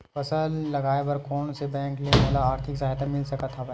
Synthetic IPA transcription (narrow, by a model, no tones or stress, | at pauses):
fɐsəlːɐɡaːebɐɾkɔːnsebɛ̃ːŋkleːʋaːlaaːɾt̪ʰɪksaɦat̪amɪlsɐkat̪ʰːabɛ̃ː